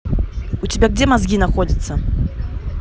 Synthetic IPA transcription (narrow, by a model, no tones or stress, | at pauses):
ut͡sʲɪbʲaɡ̚d͡zʲɛmazɡʲinaxɔdʲit̪sːɐ